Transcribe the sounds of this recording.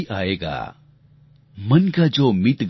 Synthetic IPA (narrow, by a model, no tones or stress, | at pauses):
ʔaeɡa̰ | mənkad͡ʒomit̪ɡ